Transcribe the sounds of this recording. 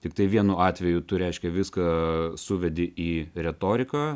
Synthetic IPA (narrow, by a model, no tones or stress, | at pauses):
t̪ʲɪk̚t̪ɐɪʋʲiɛnʊɑːt̪ʲʋʲɛjʊt̪ʊɾʲɛɪʃʲkʲɛʋʲɪskɐsʊʋʲɛd̪ʲɪʔiːɾʲɛt̪oːɾʲɪkɐ